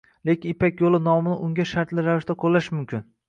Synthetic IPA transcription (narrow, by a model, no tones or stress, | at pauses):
lekʲɪnɪpakʲjolˠɪnɒmɪnɪʔʊŋɡʲaʃaɾt̪lɪɾavɪʃt̪aqʰolˠːaʃmʊmkʲʰɪn